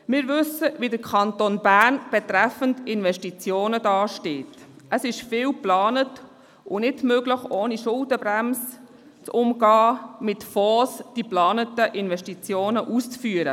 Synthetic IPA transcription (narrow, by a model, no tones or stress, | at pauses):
mɪːɾʋʏsəʋidəɾkʰɑntonbæɾnb̥ɛtɾæfəntɪnʋɛʃtit͡sjoːnədɑːʃteːtəsɪʃfɪːwplɑːnət | ʊnɪdmøɡləχoːniʃʊldəbɾæms | t͡sʊmɡɑːmɪtfɔːsd̥iplɑːnətəʔɪnʋɛʃtit͡sjoːnəʔust͡sfyːəɾə